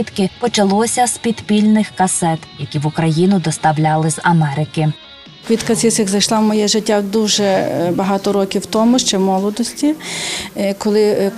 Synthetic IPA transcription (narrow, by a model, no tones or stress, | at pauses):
it̪kɪpɔt͡ʃɐlˠɔsʲɐspʲid̪pʲilʲnɪxkɐsɛt̪jɐkʲiʋʊkɾɐjinʊd̪ɔst̪ɐwlʲɑlˠɪzɐmɛɾɪkɪ | kʋʲit̪kɐt̪ɪsɪxzɐjʃlˠɑmɔjɛʒɪtʲːad̪uʒɛbɐɦɑt̪ɔɾɔkʲiwt̪ɔmʊʃt͡ʃɛmɔlˠɔd̪ɔsʲtʲi | kɔlˠɪ